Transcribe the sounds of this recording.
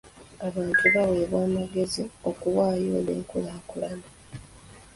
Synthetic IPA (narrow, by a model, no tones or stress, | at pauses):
aβaːntuβawe̞ːβwaːmaɡe̞zio̞kuwaːjo̞̰ːnḛːŋkulaːkulana